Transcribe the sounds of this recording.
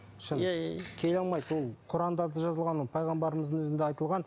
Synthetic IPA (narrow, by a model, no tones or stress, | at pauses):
ʃənkʲʰe̞lɑlˠmɑjd̪wo̞lˠqʰʊɾɑnd̪ɑɾd̪əʒɑzəlˠʁɑnwolˠpʰɑjʁɑmbɑɾəməzd̪ənɵzɪnd̪eɑjt̪əlˠʁɑn